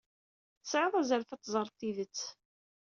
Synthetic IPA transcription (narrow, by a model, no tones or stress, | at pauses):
θəsʕəðˤæzəɾfæt̪ːzˤəɾˤt̪ˤːiðət͡sː